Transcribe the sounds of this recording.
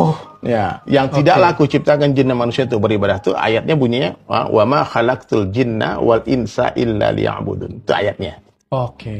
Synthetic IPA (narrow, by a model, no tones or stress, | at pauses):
ɔhjajaŋt̪idaʔlakut͡ʃip̚t̪akand͡ʒinːamanusiant̪ʊk̚bəɾibadaht̪uʔa̰jat̪̚ɲabuɲiaa̰wʔamaxalak̚t̪uld͡ʒinːa̰walʔɪnsa̰ʔɪlːa̰lḭa̰ʕbṵd̪unt̪ua̰jat̪̚ɲa | oke